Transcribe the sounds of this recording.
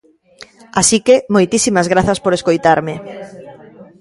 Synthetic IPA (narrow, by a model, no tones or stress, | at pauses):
asikemojt̪isimazɣɾaθaspoɾeskojt̪aɾmɪ